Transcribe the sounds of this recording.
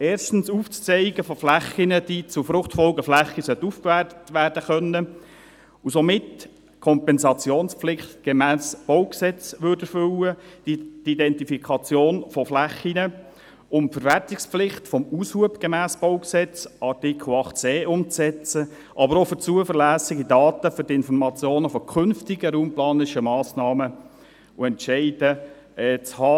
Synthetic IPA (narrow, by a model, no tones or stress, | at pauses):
eːrʃtn̩suːft͡st͡sɛɪɡəfɔflæχinəd̥iːt͡sʊfɾʊχtfɔlɡəflæχisœt̪ːufkvæːtətʋæːɾd̥əχœnːə | usɔmɪt | kʰɔmpɛnsɑt͡sjoːnspflɪχt̪ɡ̥emæːsb̥owksɛt͡sʋʏːɾdəɾfʏləd̥d̥idɛntifikʰɑt͡sjoːnfɔflæχinə | ʊmfəɾværtɪkspflɪχt̪fɔmushuəbɡ̥ɛmæːsb̥owksɛt͡sʔɑɾtikʰl̩ɑχtt͡seːʔʊmt͡sɛt͡sə | ʔɑbəɾofət͡suəfəɾlæːsɪɡidɑːt̪əfʏɾdiɪnfɔɾmɑt͡sjoːnəfɔkʰʏnftɪɡəɾuːmplɑːnɪʃəmɑːsnɑːmə | uɛntʃɛɪdə | ɛːt͡shɑː